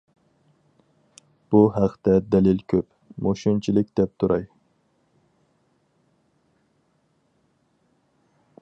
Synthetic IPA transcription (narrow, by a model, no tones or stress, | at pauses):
b̥uɦæqʰt̪ɛd̪ɛlɪlkʲʰøp | moʃunt͡ʃʰilɪk̚ʲd̪̥ɛp̚t̪ʰuɾɑj